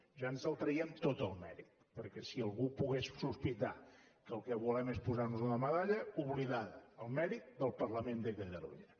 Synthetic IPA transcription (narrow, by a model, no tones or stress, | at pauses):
ʒanzəlˠt̪ɾəiəmt̪ot̪əlˠmɛ̰ɾit̪ | pəɾkɛsiəlˠɣupuɣessuspit̪a | kəlˠkɛβulɛmespuzaɾnuzunəməðaʎəuβliðaðəəlˠmɛɾit̪̚d̪əlˠpəɾləmend̪əkət̪əlṵʎə